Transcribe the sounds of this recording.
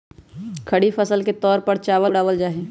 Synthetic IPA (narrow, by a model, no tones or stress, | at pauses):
kʰəɽifʰəsəlket̪ɔːɾpəɾt͡ʃaːʋəɽaːʋəld͡ʒaːɦe